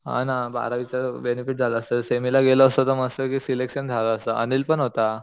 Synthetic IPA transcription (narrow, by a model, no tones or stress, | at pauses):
ɦa̰naba̰ɾaʋit͡ɕaɾbenifiʈ̚d͡zʱaləəsəsemilaɡeləːsət̪əməɡsəkisilekɕənd͡zʱaləəsəʔə̰nilpəɳɦot̪a